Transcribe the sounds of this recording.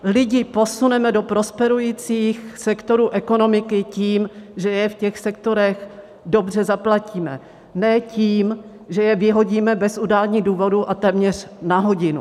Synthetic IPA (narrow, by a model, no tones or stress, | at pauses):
lɪɟɪpo̞sunɛmɛdo̞pɾo̞spɛɾujiːt͡siːxsɛkt̪o̞ɾuːʔɛko̞no̞mɪkɪciːmʒɛjɛfcɛxsɛk̚t̪o̞ɾɛx | do̞br̝ɛzaplaciːmɛ̰ | nɛːciːm | ʒɛjɛvɪɦo̞ɟiːmɛbɛsudaːlɲiːduːvo̞duʔat̪ɛːmɲɛr̝̥naɦo̞ɟɪnṵ